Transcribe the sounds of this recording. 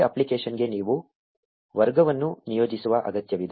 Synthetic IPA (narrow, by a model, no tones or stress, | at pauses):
ɐ̰plikeːʂɐnɡe̞niːʋu | ʋɐɾɡɐʋɐnːunijo̞ːd͡ʒisuʋɐʔɐ̰ɡɐt̪jɐʋid̪